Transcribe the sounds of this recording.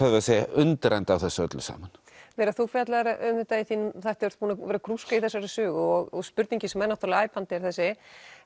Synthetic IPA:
aðvasɛja̰ʔʏnt̪ɾajnt̪awθɛsːœ̰t̪lʏsa̰ːman̥ | vɛːɾaθufjat̪laɾaʔʏmɪt̪aɪθiːnθajht̪ɪvʏɾ̥t̪̚puːnavɛːɾakʰɾuskaiθɛsːaɾɪsʏːɣʏɔɣɔɣspʏɾt̪niɲcɪsɛmːɛnːawht̪ɾlaːjpant̪ɪɛɾ̥θɛs̬ːɪ

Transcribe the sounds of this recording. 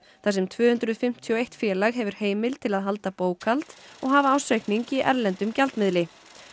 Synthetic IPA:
θasɛmt̪ʰvœːhʏnt̪ɾʏðfɪm̥t̪ʰjɔejht̪fjɛːlaɣɦɛvʏɾ̥heːjmɪl̥t̪ʰɪlaðɦalt̪apoːwkʰalt̪ɔɣɦaːvaaːwsejkniŋcɪʔɛ̰ɾlɛnt̪ʏmcalt̪mɪðlɪ

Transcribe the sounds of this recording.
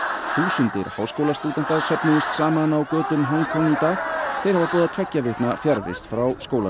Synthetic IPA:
θuːsʏnt̪ɪ̰ɾhawskowlast̪uːt̪ɛn̥t̪aðsœpnʏðʏst̪saːmanawkœːt̪ʏmɦɔŋkʰɔŋːit̪aːxθejɾ̥havapɔːðat̪ʰvɛcːavɪht̪nafjaɾvɪ̰st̪fɾawskoːwla

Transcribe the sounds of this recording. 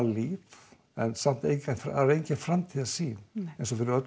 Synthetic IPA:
liːf | ɛnsam̥t̪ejc̪fɾaɾejɲcɪfɾamt̪ʰiðasiejnsɔfɪɾɪœt̪

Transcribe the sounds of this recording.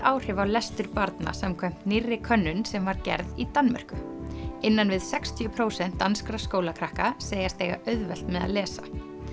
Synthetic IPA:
aːwr̥ɪvawlɛst̪ʏɾpaɾt̪na̰sɛmkʰœm̥t̪nɪrːɪkʰœnːʏnsɛmvaɾcɛ̰ɾðit̪anmɛ̰r̥kʏɪnːanvɪðsɛkst̪ʰjʏpʰɾoːwsɛn̥t̪ːanskɾaskoːwlakʰɾahkaseːjast̪eːjɣa̰ʔœɥðvɛl̥t̪mɛða̰ðlɛːsa

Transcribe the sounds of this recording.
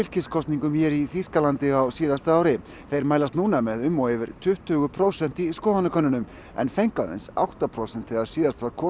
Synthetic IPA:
ɪlcɪskʰɔst̪niŋkʏmçɛɾiθiskalant̪ɪawsiːðast̪aːwɾɪ | θejɾmaːjlast̪nuːnamɛðʏmːɔweːvɪɾ̥t̪ʰʏht̪ʏːɣʏpʰɾowsɛn̥t̪iskoːwvanakʰœnːʏnʏm | ɛ̰nfejŋkawðḛnsa̰wht̪apʰɾowsɛnt̪ʰɛɣaɾ̥siːðast̪vaɾkʰɔː

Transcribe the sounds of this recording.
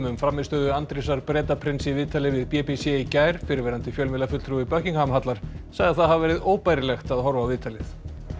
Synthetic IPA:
mʏmfɾamɪðst̪œːðʏant̪ɾisaɾpɾɛːt̪apʰɾɪnsɪvɪːt̪alɪvɪðpɛpisɛicaːjɾ̥fɪɾɪɾvɛːɾant̪ɪfjœlmɪlafʏt̪l̥t̪ɾuipœhciŋhaːmɦat̪laɾ̥saːɣðaθaðhavvɛːɾɪðoːwpajɾɪlɛxt̪aðɦɔɾvavɪːt̪alɪθ

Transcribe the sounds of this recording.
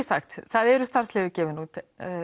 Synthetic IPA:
saxt̪θaðɛɾʏst̪ar̥slɛːɣʏcɛːvɪnu

